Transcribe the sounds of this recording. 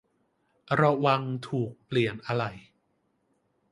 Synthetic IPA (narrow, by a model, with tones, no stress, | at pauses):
ɾa˧wa˧ŋt̪ʰuː˨˩k̚pli˨˩ənʔa˧ɾa˨˩j